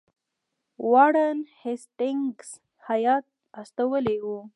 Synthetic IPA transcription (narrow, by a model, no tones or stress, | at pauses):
wɑɽənhesʈɪŋɡs | hajɑt̪̚ | ast̪awəlewu